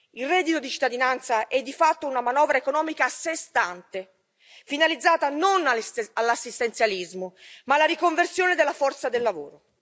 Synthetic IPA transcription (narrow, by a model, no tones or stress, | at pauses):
ilrɛd̪it̪od̪it͡ʃi̥t̪ːad̪inant̪saʔɛd̪ːifat̪ːounamanɔːvɾaekonɔːmikasːest̪ant̪e | finalid̪zːaːt̪anonaalːasːist̪ent̪sjalizmomalːaɾikoɱversjoːned̪elːafɔrt̪sad̪elːavo̰ːɾo